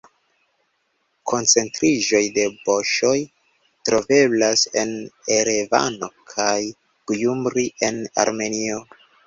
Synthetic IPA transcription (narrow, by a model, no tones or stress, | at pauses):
kʰo̞nt͡se̞ntɾiʒo̞jde̞bo̞ʃo̞j | tɾo̞ve̞blase̞̰neɾeva̰no̞kʰaj | kujumbɾie̞na̰ɾme̞nio